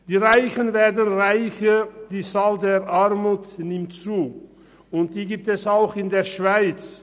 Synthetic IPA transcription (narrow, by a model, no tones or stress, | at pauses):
d̥iːʁaɪçənveːɐdən̩ʁaɪçəd̥iːt͡saːldeːʔaʁmuːtnɪmtt͡suː | ʊnt̚d̥iːɡiːp̚tɛsaʊxɪndeːɐʃv̥aɪt͡s